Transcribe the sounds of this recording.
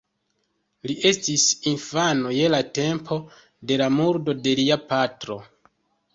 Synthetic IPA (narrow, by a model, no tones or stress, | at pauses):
liʔe̞stisinfanoje̞late̞mpʰo̞ | de̞lamuɾdo̞de̞liapatɾo̞